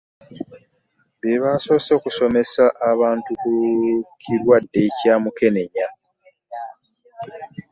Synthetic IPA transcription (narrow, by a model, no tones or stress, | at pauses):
βeβaːso̞ːso̞ːkuso̞me̞saʔːβaːntukukʰiɾwadːe̞caːmuke̞ne̞ɲa